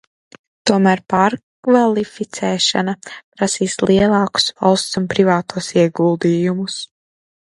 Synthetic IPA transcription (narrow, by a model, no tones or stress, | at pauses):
t̪uɔmæːɾpaɾkvalˠifit̪sɛːʃa̰napɾasiːslˠʔiɛlˠɑːku̥sva̰lˠst̪sunpɾivaːt̪uɔsiɛɡulˠd̪iːjumus